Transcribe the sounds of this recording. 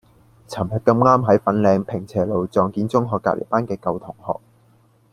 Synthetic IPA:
t͡sʰɐ˨˩mhɐ˨t̚kɐ˧mŋaː˥mɦɐ˨˥jfɐ˨˥nlɛː˧ŋpʰɪ˨˩ŋt͡sʰɛː˨˩lo˨wt͡sɔː˨ŋkiː˧nt͡sʊ˥ŋɦɔː˨kːaː˧˥lḛ˨˩paː˥nkɛː˧kɐ˧wt̪ʰʊ˨˩ŋhɔ̰ː˨k̚

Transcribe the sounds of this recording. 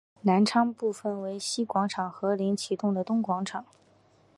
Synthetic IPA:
na˧˥nʈ͡ʂʰɑ˥ŋpu˥˩fə˨˩nwe˧˥ɪɕi˥kwɑ˧˥ŋʈ͡ʂʰɑ˨˩ŋxɤ˧˥li˧˥ŋt͡ɕʰi˨˥t̪ʊ˥˩ŋd̪ə˩t̪ʊ˥ŋkwɑ˧˥ŋʈ͡ʂʰɑ˨˩˦ŋ

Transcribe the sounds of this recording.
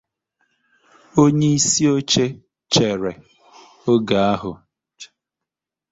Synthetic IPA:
o˦ɲe˦i˦si˦o˦t͡ʃe˦ | t͡ʃe˨ɾe˨ | o˦ɡa˨a˦ɦʊ˨

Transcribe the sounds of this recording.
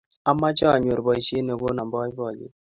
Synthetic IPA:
a˦mːa˦t͡ʃɔ˦a˨ɲ˨o˨ɾbɔ˨i˨ʃe˦ne˨bo˦na˨mbɔ˦i˦bɔ˦˨lḭ˨˦

